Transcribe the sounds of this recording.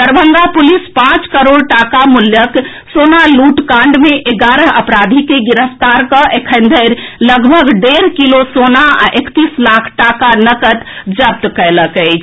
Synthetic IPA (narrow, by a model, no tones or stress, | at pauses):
t̪əɾbəŋɡapulispãt͡ʃkəɾoɽʈakamuljək | sonaluʈkãɳɖmeʔeɡaɾəɦəpɾad̪ʱikeɡiɾəpt̪aɾkə̃ʔekʰənd̪ʱəɾləɡbʱəɡɖeɾkilosonaa̰ʔekt̪islakʰʈakanəkət̪d͡ʒəp̚t̪kəɪləkəɪt͡ʃʰ